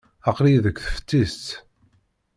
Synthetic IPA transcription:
ɑqɾijðəkʷːθə̥ft̪ːist̪

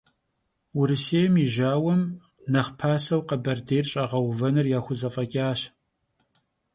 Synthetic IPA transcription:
wʊɾɨseːjmiʒaːwɐm | nɐχpʰaːsɐwqɐbɐrdeːjrɕʼɐʁɐwvɐnɨrjaːxʷʊzɐfʼɐkʲʼaːɕ

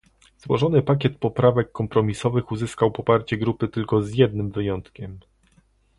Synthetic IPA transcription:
zwɔʐɔnɘpak̬ʲjɛt̪̚pɔpɾavɛkːɔmpɾɔmʲisɔvɘxuzɘskawpɔpaɾt͡ɕɛɡɾupɘt̪ɘlkɔzjɛd̪̚nɘmvɘjɔnt̪kʲɛm

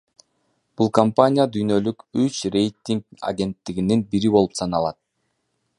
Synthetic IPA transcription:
b̥ulˠkampanʲijad̪yjnø̞lykyt͡ʃre̞jt̪ʲːiŋka̰ɡʲe̞nt̪ːiɡininbiɾibo̞lˠu̥p̪sɑnɑlˠɑt̪̚

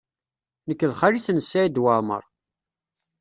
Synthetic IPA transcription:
nəkːəðχaɾisənəsːæid̪waɾˤmə̰ɾˤ

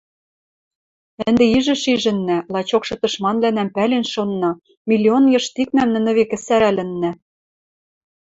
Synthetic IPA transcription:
ɘ̆nd̪eiʒɘ̆ʃiʒɘ̆nːælˠɑt͡ɕokʃɤ̆t̪ɤ̆ʃmɑnβlænæmpælenʃonːɤ | mʲilʲːionjɤ̆ʃt̪ik̚mæmnɘ̆nɘ̆βekɘ̆sæɾælɘ̆nːæ

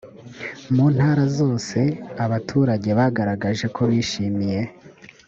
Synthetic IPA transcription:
muːn̥haːɾazo̞ːse̞aβatʰuːɾaɟe̞βaɡaɾaɡaʒe̞kʰo̞βiːʃiːmije̞

